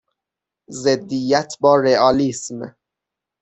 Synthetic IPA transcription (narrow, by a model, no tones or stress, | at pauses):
zed̪ːijæt̪ʰbɒːɾeɒːlism